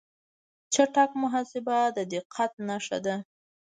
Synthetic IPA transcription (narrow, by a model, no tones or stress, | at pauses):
t͡ʃaʈakmʊɦɑsɪbad̪əd̪ɪqʰːat̪̚naʂa̰d̪a